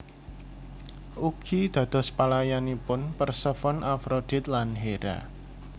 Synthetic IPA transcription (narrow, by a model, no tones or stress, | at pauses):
ʔukʰid̪̥ä̤d̪̥ɔ̤spalajanipʊnpərsəfɔnʔafɾod̪̥ɪ̤t̪̚lanɦeɾa̰